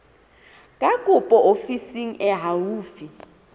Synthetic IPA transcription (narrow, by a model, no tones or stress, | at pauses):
kʼakʼupʼɔʔofisiŋ̩ʔɛɦawuːfi